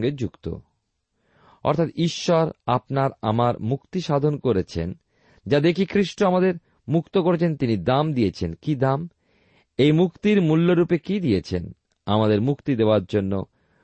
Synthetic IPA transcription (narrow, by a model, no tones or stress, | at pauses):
ɡed͡ʑukt̪o̰ | ɔ̰ɾt̪ʰat̪iʃːɔɾapnaɾa̰maɾmukt̪iʃad̪ʱonkoɾet͡ɕʰḛn | d͡ʑad̪ekikɾiʃʈoamad̪eɾ | mukt̪okoɾet͡ɕʰent̪inid̪amd̪ijet͡ɕʰenkid̪am | ejmukt̪iɾmulːoɾupekid̪ijet͡ɕʰen | amad̪eɾmukt̪id̪eoaɾd͡ʑonːo̰